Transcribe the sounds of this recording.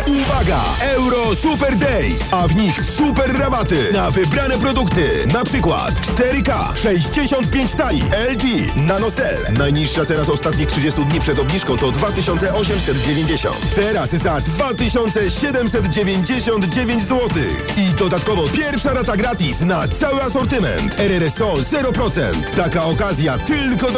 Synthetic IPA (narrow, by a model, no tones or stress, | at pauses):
uvaɡa̰ | ɛwɾɔsupɛɾd̪ɛjsavɲixsupɛɾːabat̪ɘnavɘbɾanɛpɾɔd̪ukt̪ɘnapʂɘkwa̰t̪t͡ʂt̪ɛɾɘka̰ | ʂɛʑd͡ʑeɕɔnt̪̚pʲjeɲt͡ɕt̪alʲḭɛldi | nanɔsɛ̰lnajɲiʂːat̪ɛnasɔst̪at̪̚ɲitʂɘd͡ʑest̪ud̪ɲipʂɛd̪ɔbɲʲiʂkɔ̃w̃t̪ɔd̪vat̪ɘɕɔnt̪sɛʔɔɕɛmsɛd̪d͡ʑevʲjẽɲd͡ʑeɕɔ̰̃nt̪t̪ɛɾaszad̪vat̪ɘɕɔnt̪sɛɕɛd̪ɛmsɛd̪d͡ʑevʲjeɲd͡ʑeɕɔnd̪d͡ʑevʲjeɲd͡ʑzwɔt̪ɪ̰xid̪ɔd̪at̪kɔvɔpʲjɛɾfʂaɾat̪aɡɾat̪isnat̪sawɘasɔɾt̪ɘmɛ̰nt̪ɛɾɛɾɛsɔzɛɾɔpɾɔt̪sɛ̰nt̪ːakaɔkazʲjat̪ɘlkɔ